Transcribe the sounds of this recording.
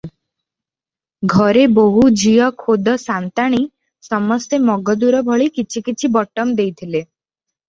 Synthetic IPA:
ɡʱɔɾeboɦud͡ʒijɔkʰod̪ɔsant̪aɽ̃i | sɔmɔst̪emɔɡɔd̪uɾɔbʱɔɭikit͡ʃʰikit͡ʃʰibɔʈɔmd̪ejt̪ʰile

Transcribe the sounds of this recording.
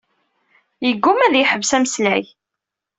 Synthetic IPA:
jəɡːʊmæðjħəvsæmslæj

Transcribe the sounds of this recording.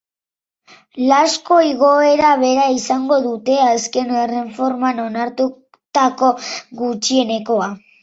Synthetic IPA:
lasko̞iɣo̞e̞ɾaβe̞ɾaisaŋɡo̞ðut̪e̞aske̞nere̞ɱfo̞ɾmano̞naɾt̪u | t̪ako̞ɣut͡ʃie̞ne̞ko̞a

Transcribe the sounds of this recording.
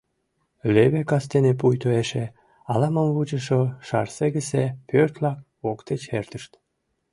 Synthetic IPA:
leβekɑst̪enep̬ujt̪oeʃe | ɑlɑməmβut͡ɕəʃoʃɑ̰rseɣəsepʰørt̪lɑk̚ | okt̪et͡ɕert̪əʃt̪

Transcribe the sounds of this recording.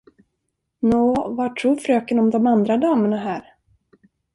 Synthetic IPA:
noːvaʈʰːɾuːfɾøːkənɔmd̪ɔmand̪ɾad̪ɑːməɳaɦæːɾ

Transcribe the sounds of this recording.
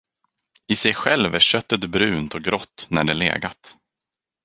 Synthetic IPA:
ɪsɛjɧɛlvæʂœt̪ːət̪bɾʉ̟ːnt̪ɔɡɾɔt̪ːnæɖɛlḛːɡat̪

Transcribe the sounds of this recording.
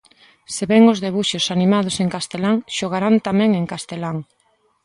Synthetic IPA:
seβɛŋozðeβuʃosanimað̞oseŋkast̪elaŋʃoɣ̞aɾant̪amɛ̃ŋeŋkast̪elaŋ

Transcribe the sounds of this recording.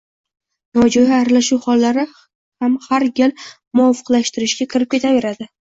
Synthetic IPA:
nɒd͡ʒɒjaaɾalaʃuwhɒlːaɾɪ | hamhaɾɡʲal | mʊɒfɨ̥qlˠaʃt̪ɪɾɪʃɡʲakʰʲɪɾɪp̚kʲe̞t̪ʰave̞ɾad̪ɪ

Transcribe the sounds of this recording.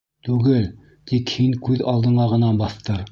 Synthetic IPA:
t̪ʉɡɘl | t̪ikhiŋkʉðɑlˠd̪ɤ̆ɴɑʁɤ̆nɑbɑθt̪ɤɾ

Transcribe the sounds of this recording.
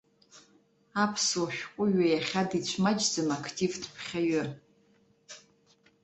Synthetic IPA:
apʰswoʃᶣkʷʼʊɥajaχʲadit͡ɕʷʰmad͡ʒd͡zɨmakʰtʰʼivdpʰχʲaɥɨ

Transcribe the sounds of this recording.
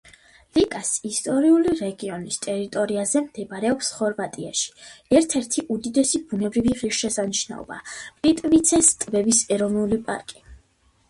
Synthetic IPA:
likʼasist̪ʼɔɾiuliɾɛɡiɔnist̪ʼɛɾit̪ʼɔɾiazɛmd̪̥ɛbaɾɛɔpsχɔɾvat̪ʼia̰ʃi̥ɛɾt̪ʰɛɾt̪ʰiʔud̪id̪ɛsibunɛbɾiviʁiʃʃɛsaniʃna̰ɔ̰ba̰pʼit̪ʼvit̪sʰɛst̪ʼbɛbisɛɾɔvnulipʼa̰ɾkʼi

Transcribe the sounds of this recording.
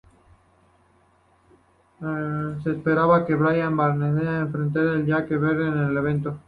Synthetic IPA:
seːspeɾaβake̞βɾajambaɾneðeaeɱfɾe̞nt̪̬aɾelʝakeβeɾðeneleβ̞e̞nt̪o

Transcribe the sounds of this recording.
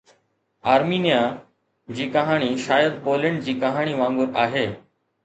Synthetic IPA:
aːɾmiːnijaː | d͡ʑiːkɐɦaːɽ̃iːʃaːjəd̪̚poːlɪɳɖ̚d͡ʑiːkəɦaːɽ̃iːʋãːŋɡʊɾaːɦeː

